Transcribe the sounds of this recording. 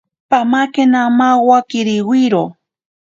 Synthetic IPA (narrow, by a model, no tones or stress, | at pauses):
pamakenamawakiɾiwiɾo